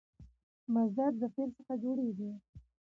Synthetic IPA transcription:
mazd̪ad̪̚d̪əfelsəxad͡ʒoɽeɡi

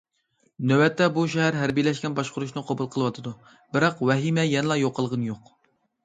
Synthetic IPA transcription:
nøwɛt̪ʰːɛbuʃɛɦæɾɦæɾbijlɛʃkʲɛnbɑʃqʊɾuʃnɨqʰɑbulˠqʰəlˠɨwɑt̪ʰɨd̪u | bɪɾɑqwɛɦimɛjɛnɨlˠɑjoqʰːəlˠʁənjoq

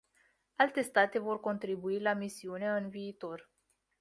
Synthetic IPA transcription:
alt̪e̞st̪at̪e̞vo̞rko̞nt̪ɾibuilamisiune̞ɨnviːt̪o̞r

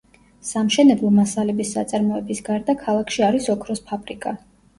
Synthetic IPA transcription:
samʃɛnɛblˠɔmasalɛbisːa̰t̪sʼaɾmɔɛbisɡaɾd̪akʰalˠakʰʃiaɾisɔkʰɾɔspʰabʼɾikʼa

